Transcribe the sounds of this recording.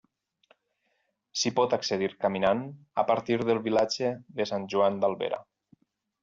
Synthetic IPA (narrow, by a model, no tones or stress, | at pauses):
sipɔt̪akseðiɾkaminan | a̰paɾt̪iɾðəlˠβilad͡ʒeðesanʲʒuand̪alˠβḛɾa̰